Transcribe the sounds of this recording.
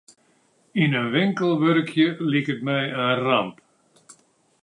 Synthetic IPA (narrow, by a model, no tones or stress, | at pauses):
ɪnənʋɪŋkəlˠʋøɾkjəlikətmɛjəramp